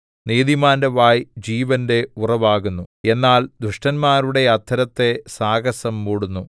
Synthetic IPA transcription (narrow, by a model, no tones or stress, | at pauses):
niːðimaːndeʋaːjd͡ʑiːʋɐnde̞urɐʋaːɣunːue̞nːaːld̪ɾuʂʈɐnmaːɾuɽe̞ɐt̪ʰːɐɾɐt̪ːe̞saːɡɐsɐmːuːɽunːu